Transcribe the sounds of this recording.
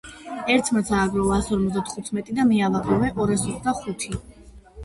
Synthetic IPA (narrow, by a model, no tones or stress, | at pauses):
ɛɾt̪ʰmat̪sʰaːɡɾɔvaːsɔɾmɔt̪d̪at̪ʰχut̪ʰmɛt̪ʼid̪amiavaɡɾɔvɛʔɔɾasɔd̪aχut̪ʰi